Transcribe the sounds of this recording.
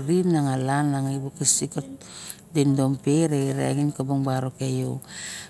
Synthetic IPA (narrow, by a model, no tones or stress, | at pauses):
ɾimnaŋalanːaŋajbokisikot̚ | dendompeɾeiɾa̰ɡinkoboŋbaɾokejo̰